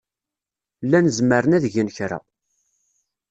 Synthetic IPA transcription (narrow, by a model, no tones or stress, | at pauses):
lːænəzməɾənæðʝənçɾa̰